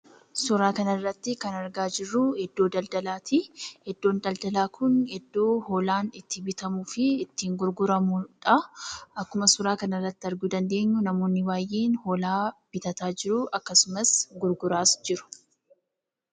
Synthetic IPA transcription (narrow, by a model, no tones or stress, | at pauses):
sʊɾaːkɐnɐrːɐt̪ːɪkɐnɐɾɡaːd͡ʒɪrːʊhɛd̪ːoːd̪ɐld̪ɐlaːt̪ɪhɛd̪ːo̞ːnd̪ɐld̪ɐlaːkʰʊnhɛd̪ːo̞ːhoːlaːnɪt̪ːɪbɪt̪ɐmuːfɪːt̪ːiːŋɡʊɾɡʊɾɐmuᶑɐɐkːʊmɐsʊɾaːkɐnɐrːɐt̪ːɪɐɾɡuːd̪ɐnd̪e̞ːɲːʊnɐmo̞ːnːɪwaːjʔe̞ːnhoːlaːb̥ɪt̪ɐt̪aːd͡ʒɪɾʊʔɐkːɐsʊmɐsɡʊɾɡʊɾaːsd͡ʒɪɾʊ̥